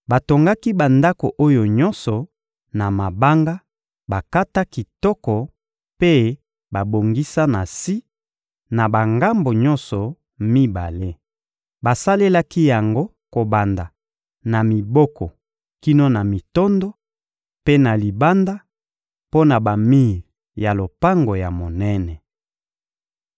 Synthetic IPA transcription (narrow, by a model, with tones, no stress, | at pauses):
ba˨to˨ŋɡa˦ki˦ba˨nda˦ko˨ʔo˦jo˨ɲɔ˦nsɔ˨ | na˨ma˨ba˦ŋɡa˦ | ba˨ka˦ta˦ki˨tɔ˦kɔ˨ | pe˦ | ba˨bo˨ŋɡi˦sa˦na˨si˦ | na˨ba˨ŋɡa˦mbo˨ɲɔ˦nsɔ˨ | mi˦ba̰˨le˦ | ba˨sa˦le˦la˦ki˦ja˨ŋɡo˦ | ko˨ba˨nda˨ | na˨mi˨bɔ˦kɔ˨ | ki˦no˦na˨mi˨tɔ˦ndɔ˦ | pe˦na˨li˨ba˦nda˦ | po˦na˨ba˨mi˦˨ | ja˨lo˨pa˦ŋɡo˨ja˨mo˨nɛ˦nɛ˨